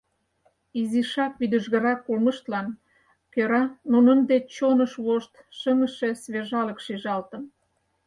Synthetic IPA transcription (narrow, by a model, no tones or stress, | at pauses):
iziʃɑk̚βid̪əʒɣə̆ɾɑkːulmə̆ʃt̪lɑn | køɾɑnunənd̪et͡ɕonəʃβoʃt̪ʃəmə̆ʃe̽sβeʒɑlə̆kʃiʒɑlt̪ə̆n